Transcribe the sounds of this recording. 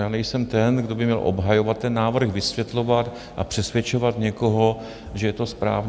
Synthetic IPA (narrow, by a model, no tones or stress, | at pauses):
jaːnɛjsɛmt̪ɛnɡdo̞bɪmɲɛlʔo̞̰bɦajo̞vat̪ːɛnːaːvr̩xvɪsvjɛt̪lo̞vat̪ | ʔa̰pr̝̥ɛsvjɛt͡ʃo̞vat̪ɲɛko̞ɦo̞ | ʒɛjɛt̪o̞spɾa̰ːv